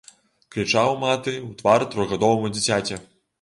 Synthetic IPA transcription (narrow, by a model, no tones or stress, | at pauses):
kɾʲit͡ʂawmat̪ɨwt̪vaɾt̪ɾɔjɣad̪ɔvɐmud͡zʲit͡sʲat͡sʲɛ